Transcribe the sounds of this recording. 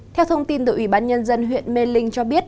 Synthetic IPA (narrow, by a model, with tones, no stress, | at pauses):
t̪ʰɛ˧wt̪ʰə˧wŋ͡mt̪i˧nt̪ɨː˧˩ʔi˧˩ɓaː˧nɲə˧nzə˧nɦwḭ˧˨ənme˧lï˧ŋt͡ɕɔ˧ɓi˦˥ət̚